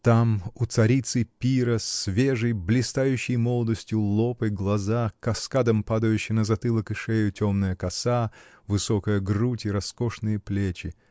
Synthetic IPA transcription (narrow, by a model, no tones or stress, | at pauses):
t̪amʊt̪sɐɾʲit̪sɨpʲiɾəsʲvʲeʐɨjblʲɪst̪ajʉɕːɪjmolˠəd̪əsʲtʲjʊlˠopɨɡlˠɐzakɐskad̪əmpad̪əjʉɕːɪmnəzɐt̪ɨlˠəkɨʂejʊtʲomnəjəkɐsa | vɨsokəjəɡrutʲɪɾɐskoʂnɨjəplʲet͡ɕɪ